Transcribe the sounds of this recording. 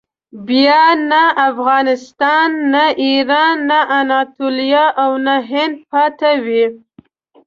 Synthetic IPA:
bjɑnaʔafɣɑnɪst̪ɑnːaiɾɑnːaʔanɑt̪oljɑʔawnaɦɪnd̪̚pɑt̪awi

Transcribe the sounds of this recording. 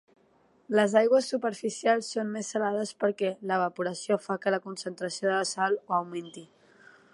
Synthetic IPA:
ləzajɣwəsːupəɾfisialˠsːonmesːəlað̞əspəɾkɛləβəpuɾəsiofakələkunsənt̪ɾəsioðələsalˠoəwment̪i

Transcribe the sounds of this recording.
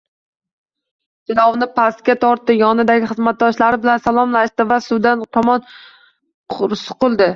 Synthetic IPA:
t̪ɪlˠɒwnɪpʰast̪̚kʲat̪ʰɒɾt̪ːɪjɒnɪd̪aɡʲɪχɨzmat̪̚d̪ɒʃlaɾɪbɪlansalˠɒmlaʃt̪ɪvasʊd̪ant̪ʰɒmɒnʰ | ʊɾsʊ̥qʊlˠd̪ɪ

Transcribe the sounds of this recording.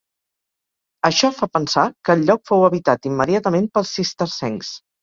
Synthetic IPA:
əʃɔfapənsakəːʎʎːɔkfowəβit̪at̪imːəðiat̪əmenpəlˠsːist̪əɾsɛŋs

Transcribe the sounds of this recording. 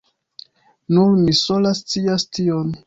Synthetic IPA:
nuɾmiso̞last͡siastion

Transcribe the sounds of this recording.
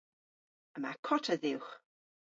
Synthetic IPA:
əmakʰɔtʰəðɪwχ

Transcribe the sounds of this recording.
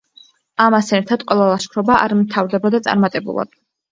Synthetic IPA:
amasɛɾt̪ʰad̪̥qʼwɛlˠalˠaʃkʰɾɔbaʔa̰ɾmt̪ʰavɾd̪ɛbad̪at̪sʼa̰ɾmat̪ʼɛbṵlˠa̰d̪̥

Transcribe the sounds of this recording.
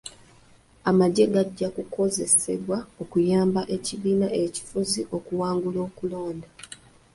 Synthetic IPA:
amaɟe̞ɡaɟːakukʰo̞ze̞se̞̰βwao̞kujaːmbaʔe̞ciβiːnaʔeci̥fuziʔo̞kuwaːŋɡulo̞ːkulo̞ːnda

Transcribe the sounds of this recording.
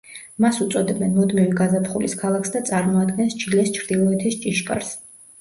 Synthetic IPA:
masut̪sʼɔd̪ɛbɛnmɔd̪miviɡazapχuliskʰalˠakʰsd̪at̪sʼaɾmɔad̪ɡɛnst͡ʃʰilɛst͡ʃʰɾd̪ilˠɔɛt̪ʰist͡ʃʼiʃkʼa̰ɾs

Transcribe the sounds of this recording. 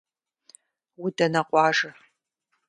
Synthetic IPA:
wʊdɐnɐqʷʼɑːʐɐ

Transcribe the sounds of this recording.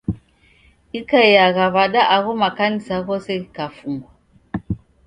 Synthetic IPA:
ikajaɣaβaɗaʔaɣomakanisaɣɔsɛikafuŋɡa

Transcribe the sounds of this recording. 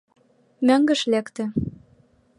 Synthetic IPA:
møŋɡə̆ʃlækt̪ɘ̆

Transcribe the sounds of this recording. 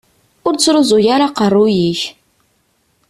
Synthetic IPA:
ʊɾt͡sːɾʊzˤʊjaɾaqərˤːujiç

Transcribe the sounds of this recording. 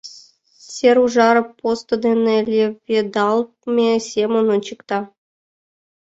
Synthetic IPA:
sʲeɾuʐɑɾɤ̆pːost̪od̪enĕlʲevʲed̪ɑlˠ | mʲesʲemonont͡ɕikt̪ɑ

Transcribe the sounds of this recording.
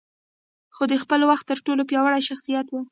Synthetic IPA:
xod̪əxpəlwaxt̪ːəɾʈolopjɑwaɽajʃaxsijat̪wu

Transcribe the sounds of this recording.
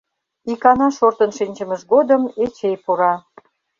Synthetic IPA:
ikɑnɑʃort̪ənʃinʲt͡ɕə̆məʃɡod̪əmet͡ɕejpuɾɑ

